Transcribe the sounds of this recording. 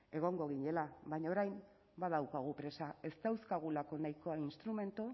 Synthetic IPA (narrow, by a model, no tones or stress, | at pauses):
e̞ɣ̞o̞ŋɡo̞ɣ̞iɲe̞laβajɲaoɾajm | bað̞awkaɣ̞upɾe̞sae̞st̪awskaɣ̞ulako̞najko̞ainst̪ɾume̞nt̪u